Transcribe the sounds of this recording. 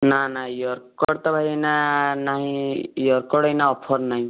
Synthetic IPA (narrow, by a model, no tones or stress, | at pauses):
nanajɔɾkɔɽt̪ɔbʱajenanaɦĩjɔɾkɔɽʌjnaɔpʰɔɾnaɦĩ